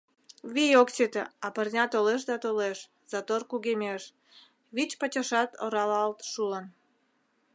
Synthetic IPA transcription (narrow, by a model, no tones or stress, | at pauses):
βijokt͡ɕet̪ḛɑpərnʲɑt̪oleʃd̪ɑt̪oleʃ | z̥ɑt̪orkuɣemʲeʃ | βit͡ɕpət͡ɕəʃɑt̪oɾɑlɑlt̪ʃulən